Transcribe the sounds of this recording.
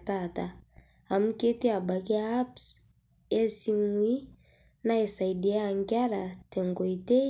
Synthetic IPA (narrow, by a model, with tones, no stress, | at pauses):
ta˦˨ta˨ | a˨mu˦ke˦te˦a˨ba˨ki˦a˦ps | ɛ˦si˦mu˨˦i˦ | na˦e˨sa˨i˨di˨a˦a˨ŋɡja˦la˨tɛ˨ŋɡo˨i˨te˦